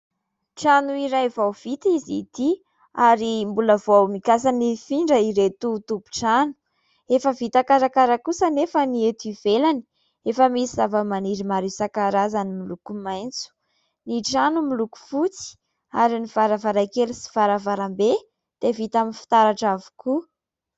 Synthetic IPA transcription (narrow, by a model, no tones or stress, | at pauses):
ʈ͡ʂanuiɾajvawv̥it̪izit̪i | aɾimbuləvawmikasanifiɳɖ͡ʐəiɾet̪ut̪ubu̥ʈ͡ʂanu̥ | efəvit̪akaɾakaɾakusənefəniet̪ivelani̥ | efəmisizavəmaniɾimaɾisakaɾazanimilukumajnt͡su̥ | niʈ͡ʂanumiluku̥fut͡si̥ | aɾiniv̥aɾavaɾajkelsi̥v̥aɾavaɾambe | d̪̥evit̪aminfi̥t̪aɾaʈ͡ʂavu̥ku